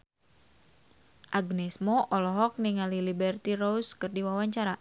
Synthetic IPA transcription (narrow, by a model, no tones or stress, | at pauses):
ʔaɡnɛsmoʔɔlɔɦɔk̚niŋalilibɛrt̪irouskɨrdiwawaɲt͡ʃaɾa